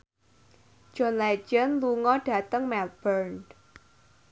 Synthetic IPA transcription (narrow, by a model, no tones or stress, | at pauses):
d͡ʒ̥ɔnlɛ̥d͡ʒənluŋɔɖ̥a̤t̪əŋmɛl̚b̥ərnd